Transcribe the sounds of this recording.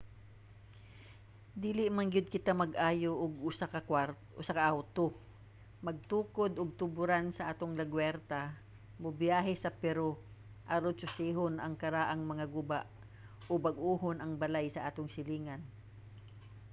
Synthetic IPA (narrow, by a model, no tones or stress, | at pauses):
d̪iːlɪʔmɐnɡɪd̪̚kɪt̪amɐɡʔaːjoʔʊɡ̚ʊsakɐaɾ | ʔʊsakɐʔawt̪o | mɐɡ̚t̪uːkod̪oɡ̚t̪ʊbʊɾansɐʔaːt̪oŋlɐɡwɛɾt̪a | mobjaːɦɛsɐpɛɾo | ʔaɾod̪̚sʊsiːɦonʔɐŋkɐɾaːʔaŋmɐŋaɡʊbaʔ | ʔobɐɡʔuːɦonʔɐŋbɐlajsɐʔaːt̪oŋsɪliːŋɐn